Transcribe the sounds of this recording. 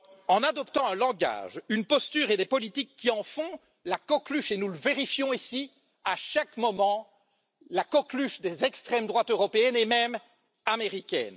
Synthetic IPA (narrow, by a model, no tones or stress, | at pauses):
ɑ̃nad̪ɔpt̪ɑ̃ɛ̃lɑ̃ɡa̰ːʒynpɔst̪yːʁed̪epɔlit̪ikːiɑ̃fɔ̃ | lakɔklyʃenuləveʁifjɔ̃isi | aʃakmɔmɑ̃ | lakɔklyʃd̪ezɛkst̪χɛmd̪ʁwat̪øʁɔpeɛnemɛm | ameʁikʲɛ̰n